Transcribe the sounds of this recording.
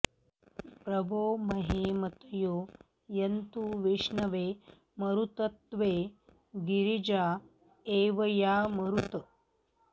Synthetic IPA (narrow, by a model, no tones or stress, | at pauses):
pɾɐbʱoːmɐɦeːmɐt̪joː | jɐnt̪uʋeʂnɐʋe | mɐɾut̪ət̪ʋe | ɡiɾid͡ʒa | eʋɐjaːmɐɾut̪